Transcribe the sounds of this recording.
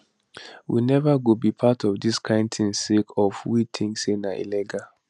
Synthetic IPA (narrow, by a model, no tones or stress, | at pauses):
wḭnɛvaɡubipʰatʰɔvdiskʰãɪ̃ntʰĩnsekʰɔfwitʰĩŋsenaʔḭlɛɡa